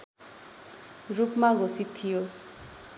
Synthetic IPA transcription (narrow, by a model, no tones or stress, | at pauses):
rupmaɡʱosit̪ʰːijo